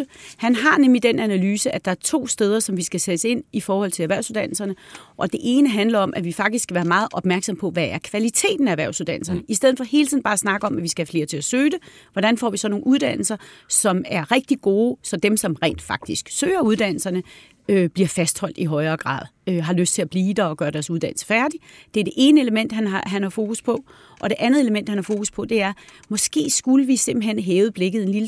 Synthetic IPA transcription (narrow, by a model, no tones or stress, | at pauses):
hænɦɑ̈nemlid̥enænælyːsəʔæd̥ɑ̈æɐt͡sʰo̝̰ːsd̥eːð̞ˠɐsɒ̽mʋisɡ̥æsed̥əse̝n̰ifɒːhɒ̽l̰t͡sʰe̝æʋæɐ̰ʊsuðˠd̥æn̰l̩sɐnəʔɒ̽d̥e̝ʔe̝ːnəɦænlɐɒ̽mʔæʋifɑ̈ɡ̥̚d̥iskʰæʋæːɐmɑ̈ːð̞̩ˠʔɒ̽b̥mæɐɡ̥sɒ̽mpʰɒ̽ʋææɐkʰʋælit͡sʰe̝̰ːd̥n̩ææʋæɐʊsuðˠd̥ænl̩sɐnəisd̥eð̩ˠfɒ̽he̝ːlt͡sʰiðˠn̩bɑ̈ːæsnɑ̈ɡ̥əɒ̽mʔæʋisɡ̥æhæfle̝ːɐt͡sʰe̝æsøːd̥eʋɒɾ̥ænfɒ̰ʋisɒ̽no̝ːn̩uð̞ˠd̥æn̰l̩sɐsɒ̽mæɐʁɛɡ̥̚d̥iɡ̥o̝ːsɒ̽d̥emsɒ̽mʁɛ̰ːnd̥fɑ̈ɡ̥̚d̥isɡ̥søːɐuðˠd̥æn̰l̩sɐnə | øb̥liɐfæsd̥hɒ̽l̰d̥iɦɒ̽ɪɐːɡ̥ʁɑ̰̈ːð̞ˠøɦɑ̈løsd̥̚t͡sʰe̝æb̥liːd̥ɐɒ̽ɡ̥ɶːɐɾ̥æɐsuð̞̥ˠænl̩sɐ̥fæɐd̥id̥e̝æɐd̥e̝ʔe̝ːnəeləmen̰d̥hænɑɦænhɑ̈fo̝ːkuspʰɒ̽ | ʔɒ̽ɾ̥e̝ʔænð̞̩ˠe̝ləmen̰d̥hænhɑ̈fo̝ːkuspʰɒ̽d̥e̝æɐ | mɒ̽sɡ̥e̝̰ːsɡ̥uləʋise̝m̰b̥l̩ɦen̰ɦɛːʊb̥le̝ɡ̥ð̩ˠe̝nlil